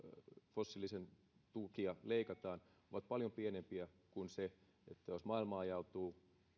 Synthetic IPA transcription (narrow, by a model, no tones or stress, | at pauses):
fosːilːˑisen | t̪ukiɑleikɑt̪ɑːn | oʋɑt̪̚pɑljompienempiæ | kunse | et̪ːæjosmɑilmɑːjɑut̪uː